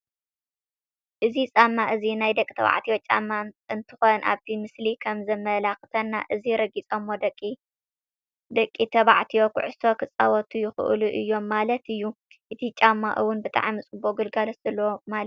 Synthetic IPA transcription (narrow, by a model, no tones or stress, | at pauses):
ʔɨzit͡sʼamːaʔɨzinajd̪ɐkʼit̪ʰɐβa̰ʕt̪ʰijot͡ʃʼa̰mːaɨnt̪ʰɨ̥xo̞nʔa̰βt̪ʰimɨslikʰɐmzɐmɐlaxɨt̪ʰɐnːa̰ʔɨziɾɐɡit͡sʼomːo̞d̪ɐkʼːi | d̪ɐkʼːit̪ʰɐβaʕt̪ʰijo̞kʰʊ̰ʕʊst̪ʰo̞kʰɨt͡sʼːawɐt̪ʰujɪxɨ̰ʔluʔɨjːo̞mːalɐt̪ɨjːu | ʔɨt̪ʰit͡ʃʼamːa̰ʔɨwʊnbɨt̪ʼa̰ʕmit͡sʼɨboɡɨlɡalosz̥ɐlːɐwomal